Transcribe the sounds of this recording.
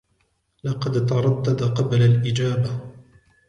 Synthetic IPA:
lɑqɑd̪t̪ɑɾˤɑd̪ːad̪aqɑblalʔɪd͡ʒaːba

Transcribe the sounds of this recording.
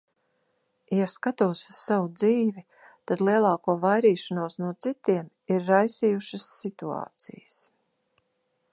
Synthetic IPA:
jaskat̪uːsu̥ssavud̪ziːvi | t̪ad̪liɛlˠɑːkuɔvajɾiːʃanuɔsnuɔt̪sit̪iɛm | iɾːajsijuʃasːit̪ua̰ːt̪sḭjəs

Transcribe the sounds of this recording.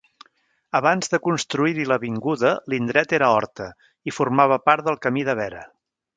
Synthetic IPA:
əβanzðəkunst̪ɾuiɾiləβiŋɡuðəlind̪ɾɛt̪eɾəɔɾt̪ə | ifurmaβəpaɾt̪̚d̪əlˠkəmiðəβɛɾə̰

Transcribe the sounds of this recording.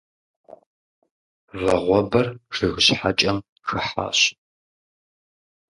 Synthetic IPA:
vɐʁʷɔbɐrʂɨɣɨɕħat͡ʃʼɐm | xɨħa̰ːɕ

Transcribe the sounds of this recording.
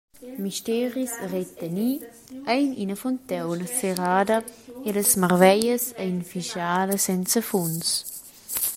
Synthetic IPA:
miʃtɛːɾisret̪əni | ɛjninəfɔnt̪ɛwnəseɾaːdəeləsmarvɛjəsɛinfiʃjaːdəsɛnt͡səfuns

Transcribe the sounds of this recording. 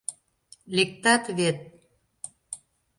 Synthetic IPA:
lek̚t̪ɑt̪βet̪̚

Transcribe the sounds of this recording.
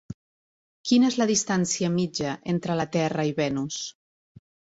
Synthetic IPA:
kinəezləðist̪ansiəmid͡ʒəʔent̪ɾələt̪ɛrəiβɛnus

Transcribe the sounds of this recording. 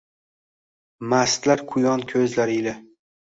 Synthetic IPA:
mast̪laɾqʰʊjɒnkʲʰɵzlaɾɪlɪ

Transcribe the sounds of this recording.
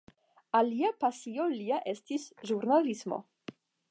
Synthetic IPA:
aliapasioliaʔe̞stisʒuɾnalismo̰

